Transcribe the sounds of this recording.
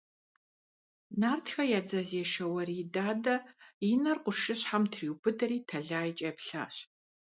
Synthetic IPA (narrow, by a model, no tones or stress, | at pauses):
naːrtʰxɐjaːd͡zɐzeːʃɐwɐridaːdɐjinɐrqʷʊʃɨɕħamtʰriwbɨdɐɾiːtʰɐɮaːit͡ʃʼɐpɬa̰ːɕ